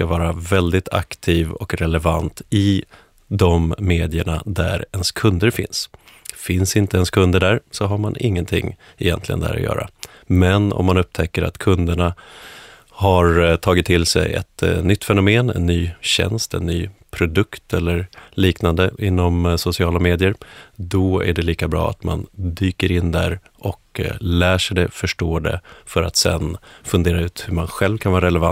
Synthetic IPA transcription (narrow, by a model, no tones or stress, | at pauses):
kavɑːɾavɛld̪ɪt̪ʰa̰kt̪ʰiːvɔ̰kɾɛlɛvant̪ɪ | d̪ɔmːeːd̪ɪəɳa̰d̪æ̰ɾɛnskʰɵnd̪əɾfɪ̰nsfɪnsɪnt̪əɛnskʰɵnd̪əɖæɾsɔɦaɾmanɪŋːənt̪ʰɪ̰ŋː | ɛjɛ̰nt̪lɪɡə̰nd̪æ̰ːɾɔ̰jœ̰ːɾa̰ | mɛnɔ̰mːanɵp̚t̪ʰɛkːəɾʔa̰t̪kʰɵnd̪əɳa | haɾt̪ʰɑːɡɪt̪ʰːɪlsɛ̰jɛ̰t̪nʏt̪ːfɛnʊmeːnɛ̰nːyːɕɛ̰nst̪ɛ̰nːyːpʰɾʊd̪ɵkt̪ɛlːəɾliːknand̪əʔɪnːɔmsʊsɪɑːlameːd̪ɪəɾd̪ɔæ̰ɖɛliːkabɾɑ̰ːa̰t̪ma̰nd̪yːkəɾɪnd̪æɾ | ʔɔklæːʂɛjd̪ɛfœʂʈoːɖ̪ɛ̰fœɾa̰t̪sɛ̰nfɵnd̪eːɾaʉ̟ːt̪hɵɾmanɧɛlvkʰanvɑːɾaɾɛlɛva